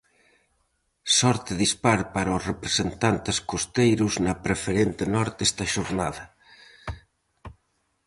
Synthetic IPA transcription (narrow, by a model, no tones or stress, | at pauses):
sɔɾt̪eðispaɾpaɾaosrepɾesent̪ant̪eskost̪ejɾʊznɐpɾefeɾent̪enɔɾt̪est̪ɐʃoɾnaðɐ